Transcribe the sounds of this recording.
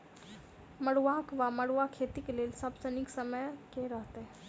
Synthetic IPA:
məɽuʋakʋaməɽʋakʰeːt̪ikeleːlsəbsəniksəməjkeɾəɦt̪e

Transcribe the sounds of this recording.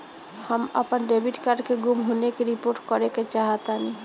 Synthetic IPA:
həmə̰pənɖebiʈkaɾɖkeɡumɦonekeɾipoɾʈkɔɾeket͡ʃaɦət̪ani

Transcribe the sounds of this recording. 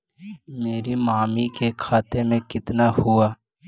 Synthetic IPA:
meːɾimaːmikekʰaːt̪emẽkɪt̪nahʊaː

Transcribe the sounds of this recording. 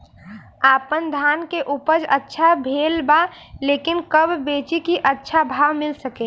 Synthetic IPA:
aːpənd̪ʱaːnkeʔuːpəɾd͡ʒətːʃʰabʱeːlba | leːkɪnkəbʱːeːt͡ʃikiʔətːʃʰabʱaːwmɪlsəkẽː

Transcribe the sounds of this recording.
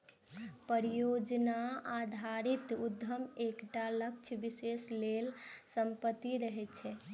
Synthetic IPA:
pəɾijod͡ʒnaad̪ʱaɾit̪ud̪ʱːəmekʈalək̚t͡ʃʰbiseslelsəmpət̪ːiɾəɦɛt̪t͡ʃʰɛ

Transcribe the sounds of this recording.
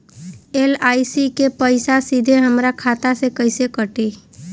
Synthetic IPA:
eːlaːisikepəɪsasid̪ʱeɦəmɾakʰaːt̪asekəɪsekəʈe

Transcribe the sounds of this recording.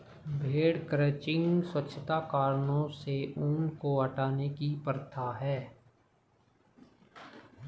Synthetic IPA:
bʱeːɽkɾeːt͡ʃɪ̃ŋɡswətːʃʰət̪akaːɾnõseuːnkoɐʈaːnekipəɾt̪ʰaɦɛː

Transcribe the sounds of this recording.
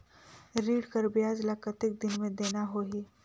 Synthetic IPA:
ɾiːɽkəɾbjad͡zlakət̪ek̚d̪ɪnmẽd̪enaɦoɦiː

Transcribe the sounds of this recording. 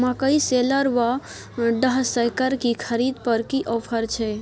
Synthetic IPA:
makəiseləɾʋa | ɖəɦsəjkəɾkikʰəɾid̪̚pəɾkiʔɔːpʰəɾt͡ʃʰɛ

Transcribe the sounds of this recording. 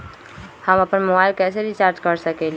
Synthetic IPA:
həməpənmobailkɛseɾit͡ʃaɾd͡ʒkəɾsəkɛli

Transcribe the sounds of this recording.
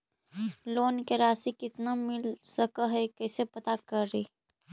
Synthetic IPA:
loːnkeɾaːsikɪt̪namɪlsəkəɦɛkɛːsepɐt̪akəɾːiː

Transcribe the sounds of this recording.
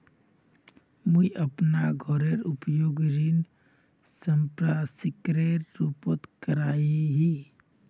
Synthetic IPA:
muiʔəpnaɡʱɔɾeɾʊpjoːɡɾin | səmpɾasɪkɾeɾːuːpət̪kəɾaːiɦi

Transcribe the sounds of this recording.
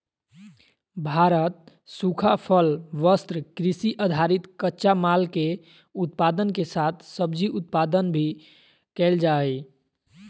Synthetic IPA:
bʱaɾət̪̚ | sukʰapʰəlʋəst̪ɾəkɾisiʔəd̪ʱaɾit̪kətːʃamalke | ut̪̚pad̪ənkesat̪ʰsəbd͡ʒiut̪̚pad̪ənbʱi | kɛld͡ʒaɛ

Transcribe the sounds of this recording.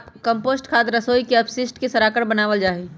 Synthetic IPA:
pkəmposʈkʰat̪ɾəsoikeəpsisʈkesəɾakəɾbənaːʋəld͡ʒaːɦi

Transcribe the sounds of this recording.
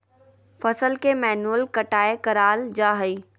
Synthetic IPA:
fɐsəlkemɛːnuəlkɐʈaːekɐɾaːld͡ʒaːɦəiː

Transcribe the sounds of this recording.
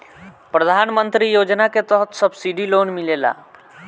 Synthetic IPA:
pɾəd̪ʱanmənt̪ɾijod͡ʒnaket̪əɦət̪səbsiɖilonmilela̰

